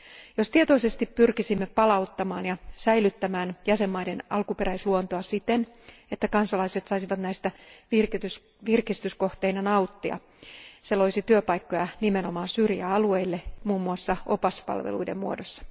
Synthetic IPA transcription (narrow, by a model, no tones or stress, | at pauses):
jost̪iet̪o̞ise̞st̪ippyrkisimːepɑlɑut̪ːɑmɑːnjɑsæjlyt̪ːæmæːnjæse̞mːɑjdenɑlkupe̞ɾæisluont̪oɑsit̪en | et̪ːækɑnsɑlɑiset̪sɑisiʋɑt̪næjst̪ært̪ys | ʋirkist̪ysko̞ht̪einɑnɑut̪ːiɑ̰ | selo̞isit̪yøpɑjkːojɑnime̞no̞mɑːnsyrjæ̰ɑlue̞ilːe̞muːmːuɑsːɑʔo̞pɑspɑ̰lʋḛlṵidemmuodosːɑ̥